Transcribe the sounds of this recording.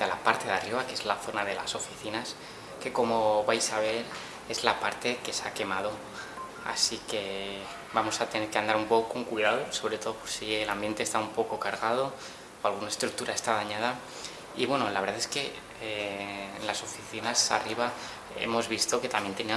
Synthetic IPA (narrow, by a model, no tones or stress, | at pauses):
alapaɾt̪e̞ðariβakee̞zlaθo̞naðe̞la̰so̞fi̥θinas | ke̞ko̞mo̞βajsaβ̞e̞l | e̞zlapaɾt̪e̞ke̞sake̞mað̞o̞ | a̰sike̞ | bamo̞sat̪e̞ne̞ɾke̞and̪aɾumpo̞koko̞ŋkwiðaðo̞so̞βɾe̞t̪o̞ðopo̞ɾsielambje̞nt̪est̪aumpo̞ko̞kaɾɣaðo̞ | oalɣ̞unae̞st̪ɾuk̚t̪uɾʔae̞st̪aðaɲaða | iβwe̞nolaβ̞ɾðae̞ske̞ | nlaso̞fiθinasa̰riβ̞a | e̞̰mo̞zβist̪o̞ke̞t̪amje̞nt̪enia